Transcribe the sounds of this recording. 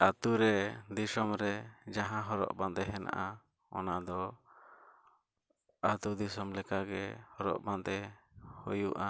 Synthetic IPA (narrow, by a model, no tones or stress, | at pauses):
at̪uɾɛd̪isɔmɾɛd͡ʒaɦãɦɔɾɔ̰ʔband̪ɛɦɛna̰ʔa | ɔ̰nad̪ɔ | at̪ud̪isɔmlɛkaɡɛhɔɾɔ̰ʔband̪ɛhojuʔa